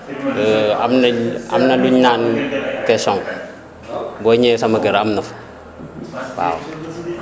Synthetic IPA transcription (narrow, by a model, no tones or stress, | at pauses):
a̰mnaa̰mnaluɲaːnkɛsɔŋ | bɔɲɛsamaɡəɾamnɐf | wa̰ːw